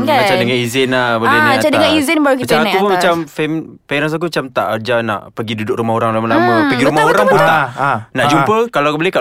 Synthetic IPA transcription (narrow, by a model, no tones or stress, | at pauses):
at͡ʃadəŋanizɪnabolanaat͡ʃadəŋaizɪnbaɾukit͡ʃak̪upunmat͡ʃamfɛmpaiɾas̬ak̬umat͡ʃamt̪aʔəd͡ʒana̰ʔpəɡidudʊk̚ɾumaɦoɾaŋlamalamupəɡiɾumaɦoɾaŋput̪aʔnaʔd͡ʒumpəkalakbəleka